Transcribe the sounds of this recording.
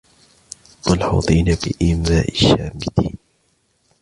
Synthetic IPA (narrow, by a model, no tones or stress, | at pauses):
walħɑ̰t̪ˤiːnabɪʔɪːmaːʔɪʃːaːmɪd̪iːn